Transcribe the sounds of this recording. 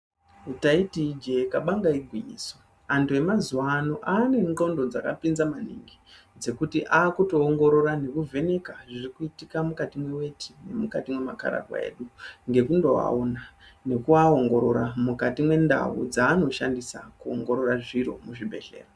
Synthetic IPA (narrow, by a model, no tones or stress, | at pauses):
utaitid͡ʒekaɓaŋɡaiɡʱwiɲḭːso | antue̞mazuwano̞ʔaːne̞ŋŋ͡ǃo̞ndo̞d͡zaka̰pinzamanḭŋɡi | d͡ze̞kutiʔaːkuto̞ːŋɡo̞ɾo̞ɾane̞kuvʱe̞ne̞kaʐirikuitikamukatimwe̞we̞tʰi̥ne̞mukatimwe̞ma̰ka̰ɾa̰ɡwa̰ḛɗuŋɡe̞kundo̞a̰onane̞kuaoŋɡo̞ɾo̞ɾamukatimwe̞nda̰wṵd͡zaːno̞ʃandisa̰kuoŋɡo̞ɾo̞ɾaʐiɾo̞̰muʐibʱe̞ɬe̞̰ːro